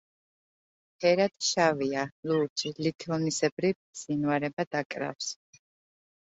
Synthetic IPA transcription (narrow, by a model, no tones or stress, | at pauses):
pʰɛɾad̪̥ʃavialut͡ʃʰʼilit̪ʰɔnisɛbɾivz̥inwaɾɛbad̪̥akʼɾa̰fs